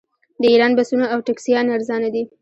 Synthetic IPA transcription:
d̪əiɾɑnbasunaawʈaksijɑnaɾzɑnad̪i

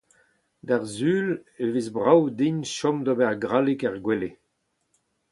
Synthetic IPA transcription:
d̪aʁzyːlevizbʁawd̪iɲʃɔmd̪ɔbɛʁɡʁalikɛʁɡwɛle

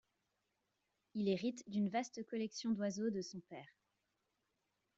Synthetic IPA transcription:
ilɛʁit̪d̪ynvast̪əkɔlɛksjɔ̃d̪wazod̪əsɔ̃pɛːʁ

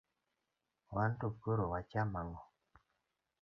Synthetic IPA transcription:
wantokoɾowat͡ʃamaŋɡɔ

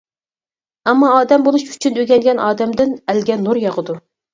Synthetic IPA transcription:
ɛmːɑːd̪ɛmbolˠuʃy̥t͡ʃʰynøɡʲɛŋɡʲɛnʔɑːd̪ɛmd̪ɪnælɡʲɛnːuɾjɑʁəd̪u

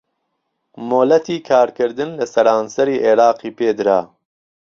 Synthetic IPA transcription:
moːlɐt̪iːkʰaːɾkɨɾd̪ɨnlɐsɐɾaːnsɐɾiːʔeːɾaːqiːpʰeːd̪ɨɾa̰ː

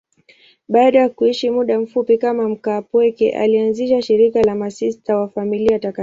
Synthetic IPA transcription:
ɓaːɗajakuiʃimuɗam̩fupikamam̩kapwɛkɛ̰ʔa̰lianziʃaʃiɾikalamasistawafamiliataka

